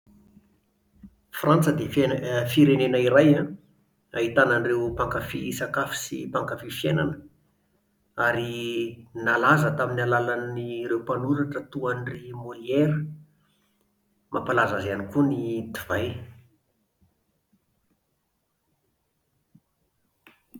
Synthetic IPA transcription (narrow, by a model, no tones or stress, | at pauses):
frant͡səd̪efiɾenenaiɾajã | ait̪ananrewpaŋkafisakafi̥sḭpaŋkafifjena̰nə | aɾinalazət̪aminalalanirewpanuɾaʈ͡ʂət̪uanrimolieɾə | mʔapalazazanikunit̪ivaj